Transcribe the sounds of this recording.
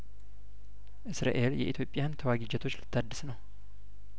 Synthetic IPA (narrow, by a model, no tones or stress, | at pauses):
ʔɨsɾa̰ʔe̞ljɛ̰ʔit̪ʰjo̞pʼːjant̪ʰəwaɡid͡ʒɛt̪ʰo̞t͡ʃːlɨt̪ːad̪ːɨsnəw